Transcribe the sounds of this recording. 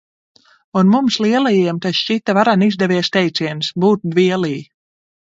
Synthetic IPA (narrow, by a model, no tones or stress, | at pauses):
unmumsliɛlˠajiɛmt̪asʃit̪ːavaɾanizd̪ɛviɛst̪ɛjt̪siɛnsbuːt̪̚d̪viɛlˠiː